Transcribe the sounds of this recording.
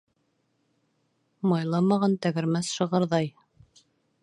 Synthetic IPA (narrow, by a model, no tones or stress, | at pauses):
mɑjlˠɑmɑʁɑnt̪æɡɘ̆ɾmæθʃɤ̆ʁɑ̆ɾðɑj